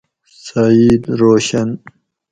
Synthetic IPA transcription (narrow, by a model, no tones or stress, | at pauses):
said̪ɾoːɕan